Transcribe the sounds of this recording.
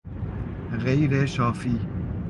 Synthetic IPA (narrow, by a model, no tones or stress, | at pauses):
ɣejɾeʃaːfiː